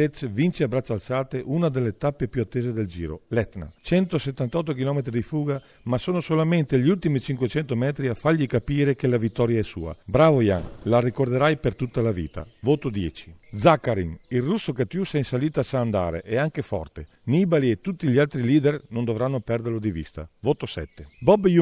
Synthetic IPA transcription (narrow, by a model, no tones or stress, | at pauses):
et̪svint͡ʃeabɾat͡ʃːalsaːt̪eʔunad̪elːet̪apːepjuat̪ːeːzed̪eld͡ʒiːɾo̰lɛt̪na̰t͡ʃɛnt̪oset̪ːant̪ɔt̪̬ːokilɔmet̪ɾid̪ifuːɡa | masoːnosolament̪eʎiult̪imit͡ʃiŋkwet͡ʃɛnt̪omɛːt̪ɾiafaʎːikapiːɾekelavit̪ːɔɾjaɛsṵːa̰bɾaːvoja̰ŋlarikord̪eɾajpert̪ut̪ːalavḭːt̪a̰voːt̪od̪jɛːt͡ʃi̥d̪zakːaɾiŋilrusːokat̪jusɛinsaliːt̪oasaːnd̪a̰ːɾḛʔɛaŋkefɔ̰rt̪e | niːbaliet̪ut̪ːiʎialt̪ɾiliːd̪ernond̪ovɾanːopɛrd̪eɾlod̪ivḭst̪a̰voːt̪osɛt̪ːebɔbju